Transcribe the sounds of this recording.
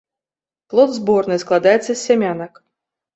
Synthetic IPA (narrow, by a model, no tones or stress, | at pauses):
plˠɔd̪zbɔrnɨsklˠad̪ajɛt̪sːɐsʲːamʲanɐk